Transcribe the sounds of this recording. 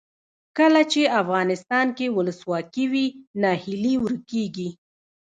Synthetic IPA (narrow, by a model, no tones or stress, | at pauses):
kəlat͡ʃeafɣɑnɪst̪ɑnkewʊləswɑkiwinɑhɪliwəɾkeɡi